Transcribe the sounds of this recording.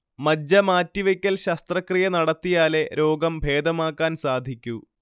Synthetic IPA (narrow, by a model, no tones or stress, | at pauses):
mɐd͡ʑːɐmaːtːiʋɐkʲːɐlɕɐst̪rɐkrijɐnɐɽɐt̪ːijaːle̞ɾo̞ːɡɐmbʱe̞ːd̪ɐmaːkːaːnsaːd̪ʱikʲːu